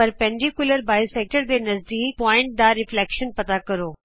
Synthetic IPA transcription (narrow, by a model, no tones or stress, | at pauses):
əɾpɛ̃ːɳɖikʊləɾbaːɪsɛːk̚ʈəɾd̪eːnɐzd̪iːpɔːɪ̃ɳʈ̚d̪aɾɪflɛːkʃənpɐt̪akəɾoː